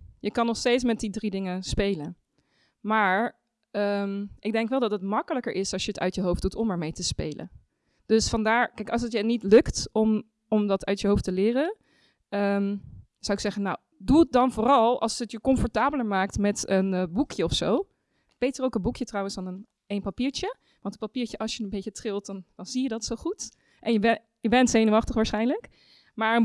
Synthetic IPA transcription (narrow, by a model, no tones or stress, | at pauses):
jəkɑnɔχstejtsmɛt̚didridɪŋəspejlən | maːɹ | əmʔɪɡ̚dɛŋkʋɛlˠdɑtətmɑkələkəɹʔɪsɑlˠsjəətœ̰ɥtjəɦowfdutʰɔməɹmejtəspḛjlə̰n | d̥ɵsfɑndaːɹkɛjkɑlˠsətjənitlɵktɔm | ɔmdɑtʰœɥtjəɦowftəlɪːrən | əm | z̥awɪksɛχənaw | duət̚dɑnvʊːrɑlˠɑ̰lˠsətjəkɔnfɔɹtaːbələɹmaːk̚tmɛtənbukjəɔfsow | b̥ejtərowkənbukjətrɑwənsanən | ejnpapiːɹt͡ʃə | ʋɑntəpapiːɹt͡ʃəʔɑlˠsjənəmbejt͡ʃətrɪlˠt̚dɑnd̥ɑnz̥ijədɑtsoχut | ʔɛnjə | jəbɛntsejnəʋɑχtəχʋaːɹsχɛjnlək | maːɹən